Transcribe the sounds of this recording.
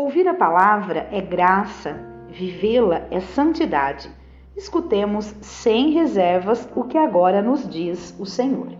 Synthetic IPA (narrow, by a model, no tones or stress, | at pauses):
owviɾɐpalavɾɐʔɛɡɾasɐvivelɐɛsɐ̃nt͡ʃid̪ad͡ʒɪ | iskut̪ẽmʊsːẽj̃ɦezɛɾvɐzʊkɪaɡɔɾɐnʊzd͡ʒizʊsẽɲo̰ɾ